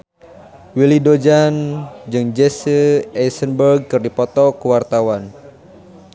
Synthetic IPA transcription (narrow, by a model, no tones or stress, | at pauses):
wilidod͡ʒand͡ʒɨŋd͡ʒɛsəɛsənbərɡ̚kɨrdipɔt̪ɔkəwart̪awan